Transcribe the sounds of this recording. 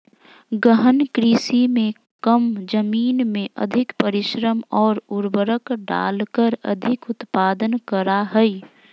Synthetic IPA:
ɡəɦənkɾiːsimẽ | kəmd͡ʒəmiːnmẽʔə̰d̪ʱɪkpəɾɪʃɾəmɔːɾʊɾbəɾəkɖa̰ːlkəɾə̰d̪ʱɪkʊt̪paːd̪ənkəɾaɦəi

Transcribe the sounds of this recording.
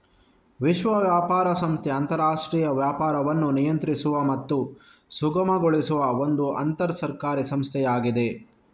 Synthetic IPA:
ʋiʃʋɐʋjaːpaːɾɐsɐmst̪ʰɛɐnt̪ɐɾaːʂʈɾiːjɐʋjaːpaːɾɐʋɐnːunijɐnt̪ɾisuʋɐmɐt̪ːu | suɡɐmɐɡoɭisuʋɐond̪uʔɐ̰nt̪ɐɾɐsɐɾkaːɾisɐmst̪ʰɛjaːɡid̪e̞

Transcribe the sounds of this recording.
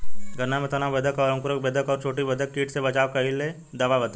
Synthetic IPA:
ɡʱɐnamet̪ɐnabəd̪ʱəkɔːɾə̃ŋkʊɾək̚bed̪ʱəkɔːɾt͡ʃʰoːʈibəd̪ək̚ʈiːʈsebɐt͡ʃaːwkɐɦilːe | d̪ɐʋabəd̪

